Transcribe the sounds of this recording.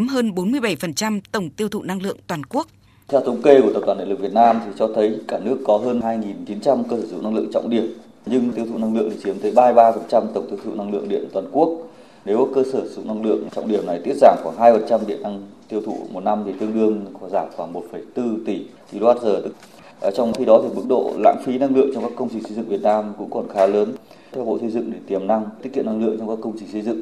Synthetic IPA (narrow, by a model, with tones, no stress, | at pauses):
mɦəː˧nɓo˨˦nmɨ˧əjɓa˧˩jfə˨˩nt͡ɕa˧mt̪ə˧˩wŋ͡mt̪i˧əwt̪ʰṵ˧˨na˧ŋlɨ̰˧˨əŋt̪waː˨˩nku˦˥ək̚ | t̪ʰɛ˧wt̪ə˨˦ŋ͡mke˧kt̪ə˨˩t̪aː˧˩˨ɗḭ˧˨lk̚vi˨˩t̚naː˧mt̪ʰi˨˩t͡ɕɔ˧t̪ʰə˨˦jkaː˧˩nɨ˦˥əkːɔ˨˦ɦəː˧nɦaː˧jŋi˨˩nt͡ɕi˨˦nt͡ɕa˧mkəː˧səː˧˩zṵ˧˨na˧ŋlɨ̰˧ə˨ŋt͡ɕɔ̰˧˨wŋ͡mɗi˧˩əm | ɲɨ˧ŋt̪i˧əwt̪ʰṵ˧˨na˧ŋlɨ̰˧əŋt̪i˨˩t͡ɕi˨˦əmt̪ʰəː˨˦jɓaː˧jɓaː˧fə˨˩nt͡ɕa˧mt̪ə˨˧˩wŋ͡mt̪i˧əwt̪ʰṵ˧˨na˧ŋlɨ̰˧˨əŋɗḭ˧˨ənt̪waː˨˩nku˦˥ək̚ | ne˨˦wkəː˧səː˧˩zṵ˧˩˥na˧ŋlɨ̰˧˨əŋ˩t͡ɕɔ̰˧˨wŋ͡mɗi˧˩əmna˨˩jt̪i˦˥ət̚zaː˧˩ŋxwaː˧˩ɦaː˧jfə˨˩nt͡ɕa˧mɗḭ˧˨əna˧ŋt̪i˧əwt̪ʰṵ˧˨mo˨˩t̚na˧mt̪ʰi˨˩t̪ɨ˧əŋɗɨ˧əŋxɔ˨˧˩zaː˧˩ŋxwaː˧˩ŋmo˨˩t̚fə˧˩jt̪ɨ˧t̪i˧˩t̪ʰi˨˩lwaː˦˥t̚zəː˨˩t̪ɨ̰˧˥k̚ː | t͡ɕɔ˧wŋ͡mxi˧˩ɗɔ˨˦t̪ʰi˨˩ɓɨ˦˥k̚ɗo̰˧˨la̰ː˧˥ŋfi˨˦na˧ŋlɨ̰˧˨əŋt͡ɕɔ˧ŋ͡mkaː˦˥kːə˧wŋ͡mt͡ɕï˧˩ŋ̟sə˧zɨ̰˧˨ŋvət̚naː˧mkʊ̰˧˥ŋ͡mkɔ˨˩nxaː˨˦ləː˨˦n | t̪ʰɛ˧wɓo̰˧˨sə˧jzɨ̰˧˨ŋɗe˧˩t̪i˨˩əmna˧ŋt̪i˦˥t̚kḭ˧˨na˧ŋlɨ̰˧˨əŋt͡ɕɔ˧ŋ͡mkaː˦˥kːə˧wŋ͡mt͡ɕï˨˩ŋ̟sə˧jzɨ̰˧˨ŋ